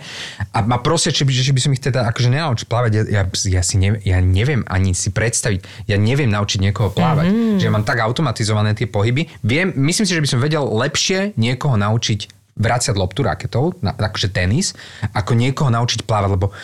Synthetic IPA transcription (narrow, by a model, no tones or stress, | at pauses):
ʔamapɾɔsɛt͡ʃibɛt͡ʃibisɔmixt̪ɛd̪aakɔʒɛɲɛnaut͡ʃi̥cplaːʋaɟjajasjasiɲɛjaɲɛʋɪɛma̰ɲisipɾɛt̪st̪aʋiɟ | jaɲɛʋɪɛmnaut͡ʃiɟɲɪɛkɔɦɔplaːʋa̰cʒɛjamaːmt̪aɡaʊt̪ɔmat̪izɔʋanɛːt̪ɪɛpɔɦibiʋɪɛmːisliːms̬iʒɛbisɔmʋɛɟɛllɛpʃɪɛɲɪɛkɔɦɔnaut͡ʃic | ʋɾat͡sɪaɟlɔpt̪uɾa̰kɛ̥t̪ɔʊna̰akɔ̥ʒɛt̪ɛnisakɔɲɪɛkɔɦɔnaut͡ʃicplaːʋaɟʲlɛbɔ